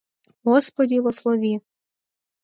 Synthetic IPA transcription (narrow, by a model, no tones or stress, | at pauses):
ɦɔspɔd̪ʲilˠɔslˠɔʋʲi